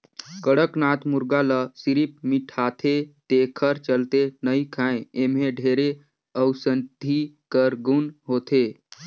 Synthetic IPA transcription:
kəɽəknat̪muɾɡaləsiɾip̚miʈʰat̪ʰet̪ekʰəɾt͡ʃəlt̪enəikʰãẽemeɖʱeɾe | əwsənd̪ʱikəɾɡunɦot̪ʰe

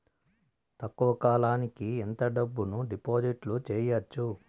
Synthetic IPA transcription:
t̪ɐkːuʋɐkaːlaːnikient̪ɐɖɐbːunuɖipoːd͡ʒiʈlut͡ʃɛːjɐt͡ʃːu

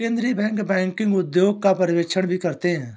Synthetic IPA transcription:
eːnd̪ɾibɛ̃ːŋkbɛ̃ːŋkɪ̃ŋɡʊd̪joːɡ̚kapɐɾʋeːkʃʰəɽ̃bʱikɐɾt̪eɦɛ̃ː

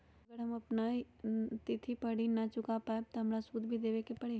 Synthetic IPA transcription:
ɐɡəɾɦɐmɐpnai | t̪ɪt̪ʰipɐɽinɐt͡ʃʊkapaːeb̚t̪oɦɐmɾasuːd̪ʱbʱid̪eːʋekepɐɽe

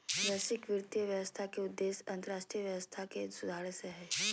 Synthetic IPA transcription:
bɛsɪkʋɪɾt̪ijəʋjəʋəst̪ʰakeʊd̪ːeːsɐ̃nt̪əɾaːʃʈɾijəʋjəʋəst̪ʰakesʊd̪ʱaːɽseɦɛː

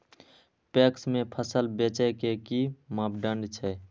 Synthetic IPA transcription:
peksmepʰəsəlbet͡ʃɛkekimapɖəɳɖt͡ʃʰɛ

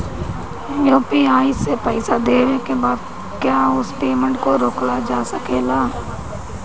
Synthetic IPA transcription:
joːpiaːɪsepɛɪsad̪eːʋekebaːd̪̚ | kjaːʊspeːmə̃ɳʈkoɾoːklad͡ʒaːsəkeːlaː

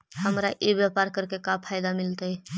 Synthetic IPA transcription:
həmɾaʔebjapaɾkəɾkekapʰajd̪amilt̪əj

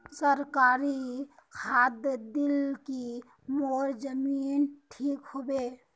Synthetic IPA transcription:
səɾkaɾi | kʰad̪jd̪ilki | moɾd͡ʒəminʈʰikɦobe

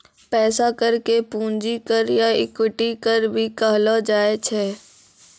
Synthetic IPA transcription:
pɛːsakəɾkepũːnd͡ʒikəɾjaɪkʊʈikəɾbʱikəɦlod͡ʒaːet͡ʃʰɛː

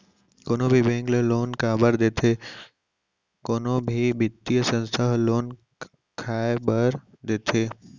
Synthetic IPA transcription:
koːnõbʱibẽːŋɡleloːnkaːbəɾd̪eːt̪ʰeː | koːnõbʱibɪt̪ːijəsə̃nst̪ʰəɦloːn | kʰaːebəɾ | d̪eːt̪ʰeː

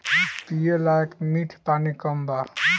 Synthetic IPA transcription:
pijelajkmiʈʰpanikəmbaɾ

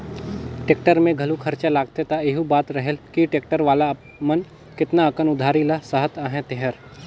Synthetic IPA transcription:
ʈeːk̚ʈəɾmẽɡʱɐlukʰɐɾt͡ʃalaːɡ̚t̪et̪aeɦubaːt̪ɾɐɦelkiʈeːk̚ʈəɾʋaːla | mɐn | kɪt̪naːkənʊd̪ʱaːɾilasəɦət̪aːɦɛ̃t̪eɦəɾ

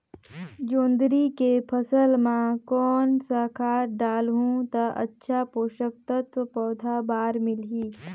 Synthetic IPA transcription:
d͡ʒõːnd̪ɾikepʰəsəlmãkɔːnsakʰaːɖaːlɦũt̪ɐʔɐ̰tːʃʰapoːʃək̚t̪ət̪ʋəpɔːd̪ʱabaːɾmɪlɦiː

